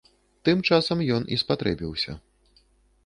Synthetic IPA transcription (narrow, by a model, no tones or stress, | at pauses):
t̪ɨmt͡ʂasɐmjɔnʔḭspat̪ɾɛbʲiwsʲɐ̰